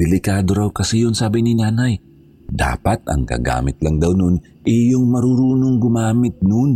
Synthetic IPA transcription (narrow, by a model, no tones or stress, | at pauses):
d̪ɛlɪkaːd̪o̞ɾawkɐsɛjʊnsaːbɪnɪnaːnaj | d̪a̰ːpɐt̪̚ɐ̰ŋkɐ̰ɡa̰ːmɪt̪̚lɐŋd̪awnon | ʔɪjoŋmɐɾuɾuːnoŋɡʊmaːmɪt̪̚non